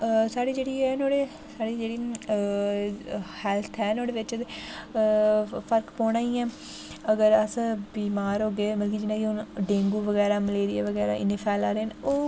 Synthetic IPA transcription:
saːɽiːd͡ʒeːɽiːɛːnoːɽeː | saːɽiːd͡ʒeːɽiː | hɛːlt̪ʰɛːnoːɽeːʋɪt͡ʃət̪e | pʰəɾkpɔːɽ̃aːiːɛ̃ː | əɡəɾəsbiːmaːɾɦoːɡeːməlkiːd͡ʒɪnãːkiɦʊnɖẽːŋɡuːʋəɡɛːɾaːmɪleːɾija̰ːʋəɡɛːɾa̰ːɪ̰neːpʰɛːlaːɾeːnoː

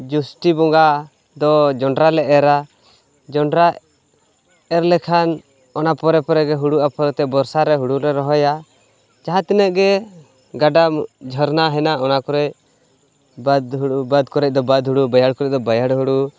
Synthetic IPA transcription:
d͡ʒusʈibɔŋɡa | d̪ɔd͡ʒɔɳɖɾalɛʔɛɾa | d͡ʒɔɳɖɾa | ɛɾlɛkʰan | ɔnapɔɾɛpɔɾɛɡɛɦuɽuʔapɔɾɛt̪ɛbɔɾsaɾɛɦuɽuɾɛɾɔɦɔja | d͡ʒaɦãt̪ɛnəʔɡɛ | ɡaɖad͡ʒʱɔɾnaɦɛnaɔnakɔɾɛc̚ | bad̪ɦbad̪kɔɾɛc̚d̪ɔbad̪ɦuɽubajaɽkɔɾɛc̚d̪ɔbajaɽɦuɽu

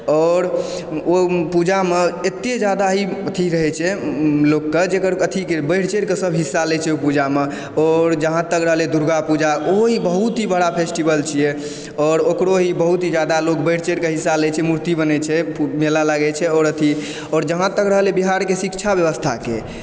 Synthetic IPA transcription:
ɔːɾ | opud͡ʒameet̪ːed͡ʒad̪aɦiət̪ʰiɾəɦɛt͡ʃʰɛlokːed͡ʒekəɾət̪ʰikebəɪɽ̤t͡ʃeɾkesəbʱɦisːalɛt͡ʃʰɛopud͡ʒame | ɔːɾd͡ʒəɦãt̪əkɾəɦəled̪uɾɡapud͡ʒaoɦibəɦut̪ɦibəɽapʰesʈibəlt͡ʃʰijɛ | ɔːɾokɾoɦibəɦut̪ɦid͡ʒad̪alokbəɪɽt͡ʃeɾkeɦisːalɛt͡ʃʰɛmuɾt̪ibənɛt͡ʃʰɛpmelalaɡɛt͡ʃʰɛɔːɾət̪ʰi | ɔːɾd͡ʒəɦãt̪əkɾəɦlebiɦaɾkesikt͡ʃʰabjəβəst̪ʰa̰ke

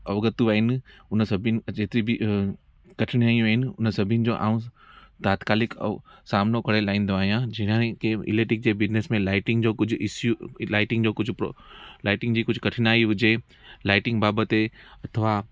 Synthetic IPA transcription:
ɔːɡət̪uʋaːɦɪnɪ̆ʊnsɐbʱnɪ̆d͡ʑeːt̪ɾibɪ | kɐʈʰɪɽ̃aːĩʋaɦɪnɪ̆ʊnəsɐbʱɪənɪ̆d͡ʑoːʔa̰ːũ | t̪aːt̪kaːlɪkɛ̰ːsaːmnokɐɽelaːĩːnd̪oaːɦijãd͡ʑɐɦɪnkeɪ̰leːʈɪk̚d͡ʑeːbɪd͡ʑnesmẽlaːɪʈɪ̃ŋɡd͡ʑoːkʊd͡ʑʱɪsjulaːɪʈɪ̃ŋɡd͡ʑoːkʊd͡ʑʱʊ̰laːɪʈɪ̃ŋɡd͡ʑiːkʊd͡ʑʱʊkɐʈʰɪnaːiɦʊd͡ʑe | laːɪʈɪ̃ŋɡbaːbət̪eɐt̪ʰəʋa

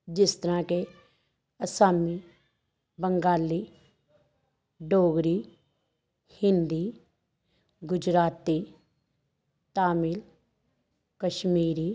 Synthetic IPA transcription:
d͡ʒɪst̪əɾãke | əsaːmi | bə̃ŋɡaːliː | ɖoːɡɾiː | hɪ̃nd̪iː | ɡʊd͡ʒɾaːt̪i | t̪aːmiːl | kəʃmiːɾiː

